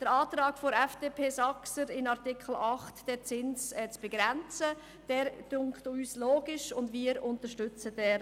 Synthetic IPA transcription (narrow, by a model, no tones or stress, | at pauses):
d̥əɾaːtɾɑːɡ̥foɾɛfd̥eːpʰeːsɑksəɾɪnɑɾtɪkʰl̩ɑχtd̥ɛːt͡sɪnsɛt͡sb̥eɡ̥ɾɛnt͡sə | d̥ɛːɾd̥ʊŋktyːsloːɡɪʃʊndʋiːəɾʊntəʃtʏt͡səd̥ɛːɾ